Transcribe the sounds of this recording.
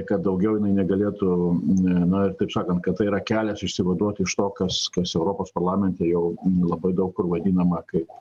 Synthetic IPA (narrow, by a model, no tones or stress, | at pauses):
kɐt̪̚d̪ɐʊɡʲɛʊjɪnɐɪnʲɛɡɐlʲeːt̪ʊ | nʊɪrt̪ɐɪpsɑːkɐnt̪̚kɐt̪t̪ːɐɪiɾɐkʲæːlʲɛsɪʃʲsʲɪʋɐd̪uɔt̪ʲɪʃt̪oːkɐskɐsɛʊɾoːpoːspɐrlˠɑːmʲɛnʲt̪ʲɛːjɛʊlˠɐbɐɪd̪ɐʊkkʊrʋɐd̪ʲiːnɐmɐkɐɪp